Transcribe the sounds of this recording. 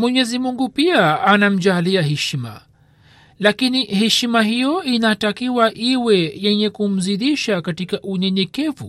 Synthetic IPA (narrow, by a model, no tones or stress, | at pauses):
mwɛɲɛzimuŋɡupiaːnam̩d͡ʒaliaɦɛʃima̰ | lakinihɛʃimaɦijɔinatakiwaʔiwɛjɛɲɛkum̩ziðiʃakatikaʔuɲɛɲɛkɛvṵ